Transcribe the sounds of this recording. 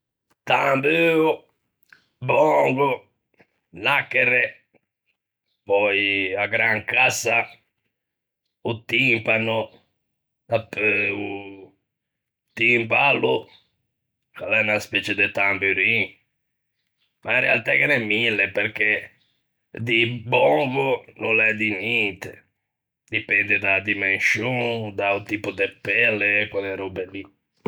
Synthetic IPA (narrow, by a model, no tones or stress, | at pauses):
t̪ambøu | bɔŋɡo | nakːɛre | pɔjaɡɾaŋkasa | ut̪ːimpanʊ | apːɛu | t̪impalu | kalɛunaspɛt͡ʃed̪et̪ambuɾi | mairea̰lt̪akɛnɛmːilːepeɾke | d̪ibɔŋɡʊnolɛd̪inɛnt̪ḛ | d̪ipɛnd̪ɪd̪ad̪imensjond̪aut̪ipʊd̪epːɛlːekwalɛɾɔbeli